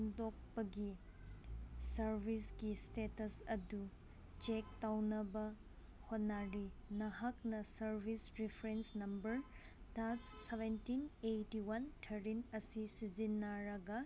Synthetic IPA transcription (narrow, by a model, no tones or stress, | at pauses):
ndok̚pɐɡi | sɐɾbʱisɡistetɐsɐdu | t͡ʃek̚tawnɐbɐ | honːaɾinɐɦɐk̚nɐsɐɾbʱisɾipʰɾensnɐmbɐɾdassebʱentinejtiwɐntʰɐɾinɐsisizinːaɾɐɡɐ